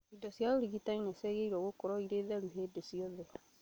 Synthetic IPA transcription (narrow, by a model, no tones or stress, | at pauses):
idɔsjaoɾiɣitaineseɣeiɾɔɣokoɾɔiɾeðɛɾuɦeːdesiɔðɛ